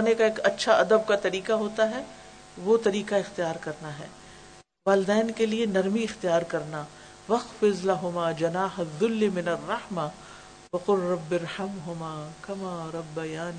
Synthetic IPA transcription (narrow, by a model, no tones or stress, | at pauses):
nekaeːkɐtːʃʰaʔɐd̪əb̚kat̪ɐɾiːqaɦoːt̪aɦɛː | ʋot̪ɐɾiːqaɪxt̪ijaːɾkɐɾnaɦɛ̰ː | ʋaːlɪd̪ɛːnkelienɐɾmiɪxt̪ijaːɾkɐɾna | ʋɐxfɪzlɐɦʊmaːd͡ʒɐnaːɦɐðːʊlːimɪnɐrːɐħma | wɐqʊlːɐbːɪɾħɐmɦʊmaːkɐmaːɾˤɐbːɐjaːni